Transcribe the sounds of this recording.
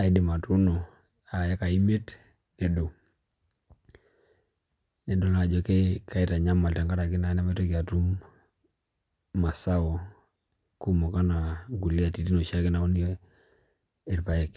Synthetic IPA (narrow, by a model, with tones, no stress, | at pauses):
a˨i˦di˨ma˨tu˦no˨ | a˨ja˦ka˨i˦me˦t | ne˨do˨ | ne˨do˦laː˨d͡ʒo˦ke˦ka˨i˦ta˨ɲa˦ma˨lta˨ŋɡa˦ɾa˨ki˦na˨˦na˦me˦to˦ki˨a˨tu˦m | ma˨sa˦wo˨ | ku˦mo˨ka˦na˨ŋɡu˨li˦a˨ti˨˦ti˦no˨ʃa˦kɪ˦na˨o˦ni˦ | e˨ɾpa˨je˦k